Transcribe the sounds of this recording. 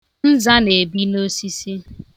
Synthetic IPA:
n̩˦za˦ne˨bi˦no˦si˦si˦

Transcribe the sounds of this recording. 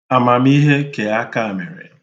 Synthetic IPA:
a˨ma˨m˦i˦ɦe˦ke˨a˦ka˦a˨me˨ɾḛ˨

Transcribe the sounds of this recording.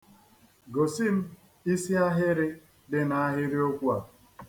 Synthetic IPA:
ɡo˨si˦m̩˦ | i˦si˦a˦ɦɪ˦ɾɪ˦ | dɪ˦na˦a˦ɦɪ˦ɾi˦o˦kʷu˦a˨

